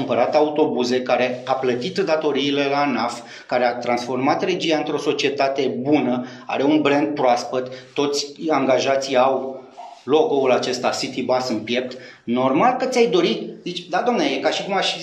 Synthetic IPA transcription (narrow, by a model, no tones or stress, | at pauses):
ɨmpəɾat̪aut̪o̞buze̞kaɾe̞aplət̪it̪d̪at̪o̞ɾiːle̞lanaf | kaɾeat̪ɾansfo̞rmat̪re̞d͡ʒiaɨnt̪ɾo̞so̞t͡ʃie̞t̪at̪e̞bunə | a̰ɾe̞unbɾend̪̚pɾoaspət̪ːo̞t̪sʲaŋɡaʒat̪sijawlo̞ɡo̞ulat͡ʃe̞st̪asit̪ibasɨnpje̞p̚t̪ | no̞rmalkət̪sʲajd̪o̞ɾit̪zit͡ʃʲd̪ad̪oamneajekaʃikumaʃ